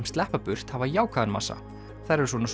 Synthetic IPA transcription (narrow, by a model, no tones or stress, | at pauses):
mst̪lɛhpapʏr̥t̪havajaːwkʰaːðɛnma̰sa̰ | θaɾɛɾ̥svɔnas